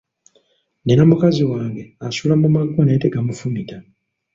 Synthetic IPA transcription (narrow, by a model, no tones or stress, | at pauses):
nenamukaziwaːŋɡe̞asulamumaɡːoneːteɡamufumita